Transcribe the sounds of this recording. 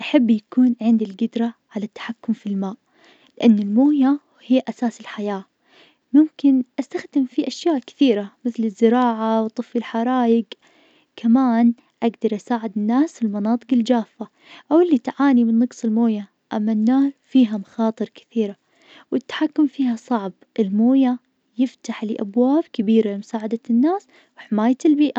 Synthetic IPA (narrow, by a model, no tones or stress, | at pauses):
ʔaħabːjakuːnʕɪnd̪ilɡɪd̪ɾˤɑʕalat̪ːḁħakːʊmfilmaːʔ | lɪʔanːɪlmoːja | hɪjːʔasaːsɪlħajaː | mʊmkɪnʔast̪axd̪ɪmfiʔaʃjaːʔkɪ̥θiːɾamɪθlɪzːɪɾɑːʕawt̪ˤɨfːɪlħaɾˤɑːjɪɡ | kamaːn | ʔaɡd̪ɑɾˤʔasaːʕɪd̪ɪnːaːsɪlmɑnɑːt̪ˤɨqɪld͡ʒaːfːa | ʔawɪlːit̪ʕaːnimɪnːɑqsˤɪlmoːja | ʔamːanːaːɾfiːɦamaxɑːt̪ˤɨɾˤkɪ̥θiːɾa | wʔɪt̪ːḁħakːʊmfiːhasˤɑʕb | ʔɪlmoːja | jɪft̪aħlɪʔabwaːbkabiːɾalɪmʊsaːʕad̪anːaːs | wɪħɪmaːjaɪlbiːʔa